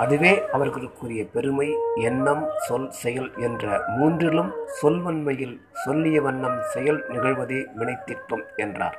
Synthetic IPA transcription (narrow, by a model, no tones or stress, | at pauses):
ʔɐðɯʋeːʔɐʋɐɾɣɐɭɯkːɯrɪjɐpɛɾɯmɐɪɛnːɐmsɔlsɛjɐlɛndrɐmuːndrɪlɯmsɔlʋɐnmɐjɪl | sɔlːɪjɐʋɐnːɐmsɛjɐlnɪɣɐɭʋɐðeːmɪɳɐɪt̪ːɪʈːɯmɛndra̰ːɾ